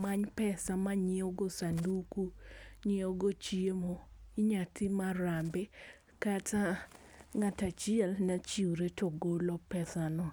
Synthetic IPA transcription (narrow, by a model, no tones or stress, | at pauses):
maɲpɛsamaɲɪoɡosandukuɲɪoɡot͡ʃiemoɪɲatʰɪmaɾambe | kata | ŋatat͡ʃɪɛlnat͡ʃiɾetoɡolɔpɛsanɔ